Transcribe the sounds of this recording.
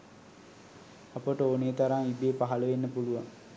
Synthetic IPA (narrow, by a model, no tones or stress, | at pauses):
ɐpəʈəoːneːt̪aɾaŋib̪eːpaɦɐləʋenːəpuluʋaŋ